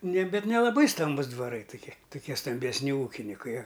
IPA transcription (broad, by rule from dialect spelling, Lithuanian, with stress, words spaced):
nʲɛ ˈbʲɛt nʲɛlˠɐˈbɐɪ ˈstɐmbʊs dʋɐˈrɐɪ tʊˈkʲɪ tʊˈkʲiɛ stɐmʲbʲɛsʲˈnʲɪ ˈuːkʲɪnʲɪkɐɪ ɐ